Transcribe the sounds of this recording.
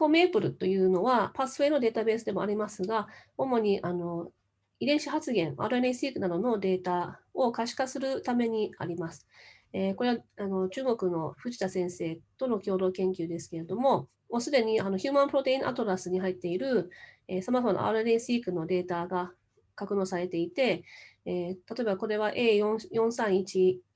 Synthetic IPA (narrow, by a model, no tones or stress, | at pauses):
kome̞ːpɯ̟ɾɯ̟t̪o̞jɯ̟ːno̞βapasɨ̥ɸe̞ːno̞d̪e̞ːt̪abe̞ːsɨd̪e̞moaɾʲimasɨɡao̞mo̞ɲ̟iʔano̞ | id̪ẽ̞ɰ̃ɕihat͡sɨɡẽ̞ɴa̰ɾɯeneĩsɨiːkɯ̟nad̪o̞no̞d̪e̞ːt̪ao̞kaɕi̥kasɨɾɯ̟t̪ame̞ɲ̟ia̰ɾʲimasɨ̥ | eko̞ɾe̞βaano̞t͡ɕɨːɡo̞kɯ̟no̞ɸɯ̟ʑi̥t̪asẽ̞ɰ̃se̞ːt̪o̞no̞kʲo̞ːd̪o̞ːkẽ̞ŋkʲɨːd̪e̞sɨ̥ke̞ɾe̞d̪o̞mo̞ | mosɨd̪e̞ɲ̟iano̞çʲɨːmãmpɯ̟ɾo̞t̪e̞ĩʔa̰t̪o̞ɾasɨɲ̟iɦait̪ːe̞iɾɯ̟esamazomano̰a̰ɾɾẽsɨiːkɯ̟no̞d̪e̞ːt̪aɡa | kakɯ̟no̞ːsaɾe̞t̪e̞it̪e̞ | t̪at̪o̞e̞bako̞ɾe̞βaʔe̞ːjõjõ̞ɰ̃sãɰ̃it͡ɕi